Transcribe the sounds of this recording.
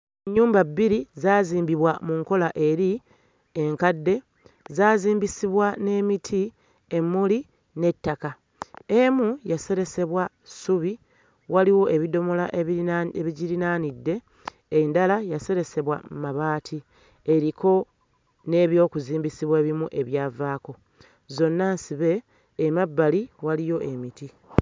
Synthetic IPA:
eɲːuːmbabːiɾizaːziːmbiβwamuŋko̞laʔe̞ɾi | eŋkadːe̞ | zaːziːmbisiβwane̞ːmitʰi | e̞mːuli | ne̞tːaka | emujase̞ɾe̞se̞βwa | suβi | waliwo̞ʔe̞βido̞mo̞laeβiɟiɾinaːnidːe̞ː | ndalajase̞ɾe̞se̞βwa̰maβaːtʰi | eɾikʰo̞ | ne̞ːβjo̞ːkuziːmbisiβwe̞ːβimuʔe̞βjaːvaːko̞ | zo̞nːansiβe̞ː | mabːaliwalijo̞ʔe̞miti

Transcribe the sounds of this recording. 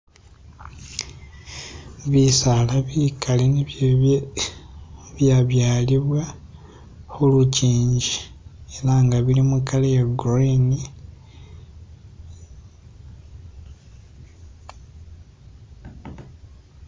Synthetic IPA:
βisalaβikalen | βjaβjaːliβwa | xuluciːɲɟieɾaŋɡaβilimukalejeɡɾoini

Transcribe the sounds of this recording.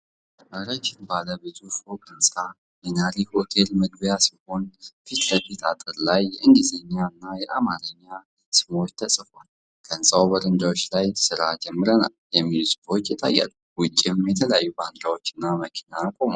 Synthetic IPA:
ʔaɾat͡ʃːɪnbaləbet̪ʰufokʼɨnsʼa | jɛnaɾiho̞t̪ʰe̞lməɡbjasiho̞nfit̪ʼləfit̪at̪ʼɨɾlajːɛʔɨŋɡizeɲːaɨnːajɛʔamaɾəɲːa | sɨmo̞t͡ʃːt̪ʰəsʼfon | kʰəɨnsʼawbəɾɨnd̪awot͡ʃːlajsɨɾad͡ʒɛmːɨɾəna̰ljɛmːilusɨ̥bot͡ʃːjɛt̪ʼa̰jːa̰luwʊt͡ʃʼːɪmjɛt̪ʰələjajːuband̪ɾawo̞t͡ʃːɨnːaməkʰi̥nakʼo̞ma

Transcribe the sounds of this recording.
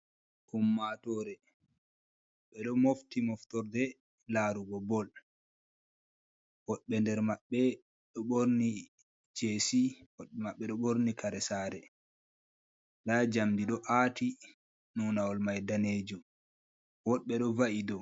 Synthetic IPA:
humːatɔɾɛ | ɓɛɗɔmoftimɔftɔɾdɛ | laːɾuɡɔbɔl | wɔɗɓɛndɛɾmaɓːɛ | ɗɔɓoɾni | d͡ʒeːsiwɔɗmaɓːɛɗɔɓoɾnikʰaɾɛsaɾɛ | dad͡ʒamdiɗɔʔati | nunawɔlmajdaneːd͡ʒɔ | wɔɗɓɛɗɔvaʔidɔ

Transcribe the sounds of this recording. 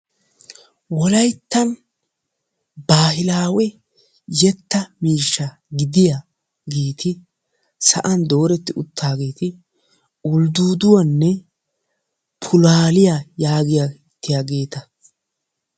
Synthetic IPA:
wɔlɐjt̪ːɐn | baːhɪlaːwɛ | jɛt̪ːɐmiːʃːɐ | ɡɪd̪ɪja | ɡeːt̪ʰɪ | sɐ̰ʔɐnd̪o̞ːɾɛt̪ːɪʊt̪ʰːaːɡe̞ːt̪ɪ | ʊld̪uːd̪ʊwɐnːɛ | pʰʊlaːlɪjajaːɡɪja | t̪ːɪjaːɡe̞ːt̪ɐ

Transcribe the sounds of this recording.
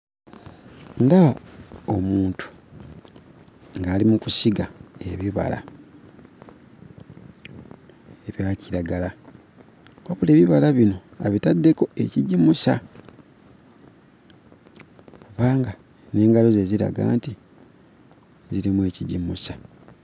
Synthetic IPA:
ndawaomuːntu̥ | ŋɡaːlimukusiɡae̞βiβa̰la̰ | eβjaːciɾaɡala | kwaβule̞ːβiβalaβino̞a̰βitadːe̞ko̞e̞ciɟimusa | kuβaːŋɡa | ne̞ːŋɡalozeziɾa̰ɡa̰ːnti | ziɾimwe̞ːciɟimusa

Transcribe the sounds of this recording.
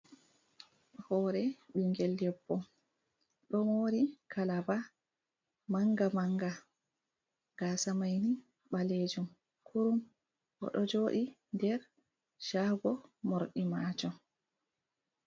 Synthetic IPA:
ɗhɔːɾɛɓiŋɡɛldɛpːɔ | ɗɔmoːɾikʰalaba | maŋɡamaŋɡa | ɡ̥aːsamajni | ɓaled͡ʒum | kʰuɾum | ʔɔ̰ɗɔd͡ʒoːɗi | ndɛɾ | ʃaːɡɔmoɾɗimaːt͡ʃɔ

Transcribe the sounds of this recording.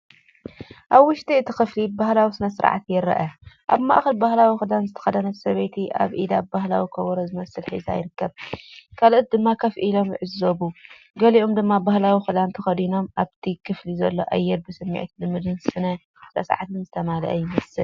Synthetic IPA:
ʔaβwʊʃt̪ʰiɨt̪ʰixɨflibahlawisɨnɐsɨɾ̰ʕa̰t̪jɪɾɐ̰ʔɐʔa̰βma̰ʔxɐlbahlawixɨd̪anzɨt̪ʰɐ̥xɐd̪ɐnɐsɐβet̪ʰiʔa̰βʔid̪abahlawikʰɐβoɾozɨmɐsɨlħḭza̰jɪɾɨkːɐβkʰalʔot̪̚d̪ɨmːakʰɐfʔilo̞mʕɨzoβu | ɡɐliʔomd̪ɨmːabahlawixɨd̪ant̪ʰɐxɐd̪ino̞mʔaβt̪ʰikʰɨflizɐlːo̞ʔajːɛɾbɨsɨmːḭʕt̪lɨmːɨd̪ɨnsɨnɐ | t̪ʰɐsa̰ʕat̪ʰɨnzɨt̪ʰɐmalɐ̰ʔɐ̰jɪmɐsɨl

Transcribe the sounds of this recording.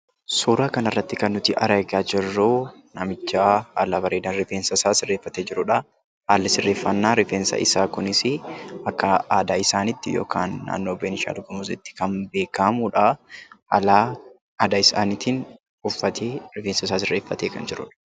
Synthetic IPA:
suːɾaːkɐnɐrːɐt̪ːɪkɐnːʊt̪ɪʔɐɾɐɡaːd͡ʒɪrːuːnɐmɪt͡ʃːaːɐlaːbɐɾeːd̪ɐnɾɪfeːnsɐsaːsɪrːe̞ːfːɐt̪eːd͡ʒɪɾʊᶑɐ | haːlːɪsɪrːe̞ːfːɐnːaːɾɪfeːnsɐ̰ʔɪ̰saːkʊnɪsɪɐkːɐaːd̪aːɪsaːnɪt̪ːɪjo̰ːkʰaːnːa̰ːnːo̞ːbeːnɪʃa̰ːd̪ʊɡɐmʊsɪt̪ːɪ̥kɐnbeːkamuᶑɐɐlaː | aːd̪aɪsa̰ːnɪt̪iːn | ʊfːɐt̪ʰeːɾɪfeːnsɐsaːsɪrːeːfːɐt̪eːkɐ̰nd͡ʒɪɾʊ̰ᶑɐ̥

